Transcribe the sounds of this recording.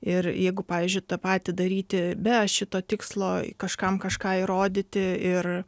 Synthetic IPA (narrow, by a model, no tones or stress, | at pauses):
ɪrjɛɪɡʊpɑːʋʲiːzʲd͡ʒʲʊɪt̪ɐpɑːt̪ʲɪd̪ɐɾʲiːt̪ʲɪbʲɛʃʲɪt̪oːt̪ʲɪkslˠo̰ːkɐʃkɐmkɐʃkɑːiɾoːd̪ʲɪt̪ʲɪɪr